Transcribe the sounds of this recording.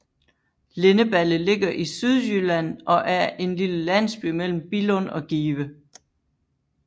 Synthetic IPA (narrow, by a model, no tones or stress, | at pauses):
le̝nəb̥æləle̝ɡ̥ɐʔisyðˠjylæn̰ʔɒ̽ʔæɐe̝nliləlæn̰sb̥y̰mel̰m̩b̥ilɔnɒ̽ɡ̥iːʋə